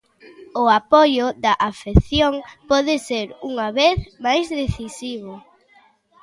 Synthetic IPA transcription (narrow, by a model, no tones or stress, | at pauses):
ʊapɔjʊðɐʔafeθjoŋpɔðɪseɾuŋɐβeθmajzðeθisiβ̞ʊ